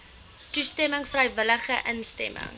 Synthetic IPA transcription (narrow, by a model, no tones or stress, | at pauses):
tustɛməŋfrəjvələχəʔənstɛ̰mʔə̰ŋ